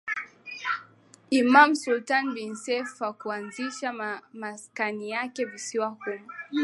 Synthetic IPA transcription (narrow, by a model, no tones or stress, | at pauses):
imamsultanbinsɛfwakuanziʃamaskanijakɛvisiwahumu